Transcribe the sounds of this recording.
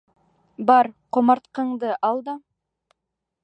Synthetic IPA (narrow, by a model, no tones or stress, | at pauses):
bɑɾqʰomɑɾt̪qəɴd̪əʔɑlˠd̪ɑ